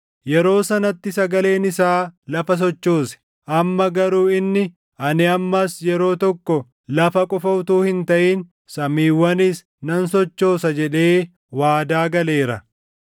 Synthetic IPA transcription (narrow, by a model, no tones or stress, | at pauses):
jɛɾo̞ːsɐnɐt̪ːɪsɐɡɐle̞ːnɪsaːlɐfɐs̬ɔt͡ʃːo̞ːsɛ̥ | ʔɐmːɐɡɐɾuːɪnːɪ | ʔɐnɪɐmːɐsjɛɾo̞ːt̪ɔkːɔ | lɐfɐkʼʊfɐʊt̪uːhɪnt̪ɐʔiːn | sɐmiːwːɐnis | nɐnsɔt͡ʃːo̞ːsɐd͡ʒɛᶑe̞ː | waːd̪aːɡɐle̞ːɾɐ